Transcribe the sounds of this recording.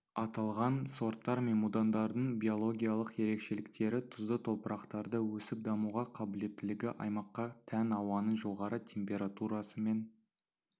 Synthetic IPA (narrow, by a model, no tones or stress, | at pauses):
ɑt̪ɑlˠʁɑnso̞ɾt̪ːɑɾmemud̪and̪ɑɾd̪əɴbʲijo̞lˠo̞ɡʲijalˠəqje̞ɾe̞kʃe̞lɪkt̪e̞ɾɪt̪ʰʊzd̪ət̪ʰo̞pəɾʔɑqt̪ɑɾd̪əwɵsɪp̚d̪ɑmuʁɑqʰɑbɪle̞t̪ːɪlɪɡʲɪʔɑ̰jmɑqːɑt̪ʰænɑwɑnəʒo̞ʁɑɾət̪ʲʰe̞mpʲe̞ɾat̪uɾɑsəme̞n